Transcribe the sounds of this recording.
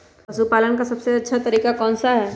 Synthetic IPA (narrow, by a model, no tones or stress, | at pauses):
ɐsupaːlənkasɐbseɐtːʃʰat̪ɐɾiːkakɔːnsaɦɛː